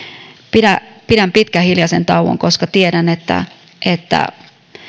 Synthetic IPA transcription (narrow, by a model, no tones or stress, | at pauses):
pidæpidæmpit̪kæhiljɑsent̪ɑuʋo̰ŋkoskɑt̪ieɾænet̪ːæ̰ | ʔet̪ːæ̰